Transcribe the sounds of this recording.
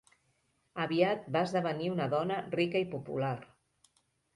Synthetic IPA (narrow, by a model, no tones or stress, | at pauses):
əβiat̪̚baəzðəβ̞əniunəðɔnərikəipupṵlar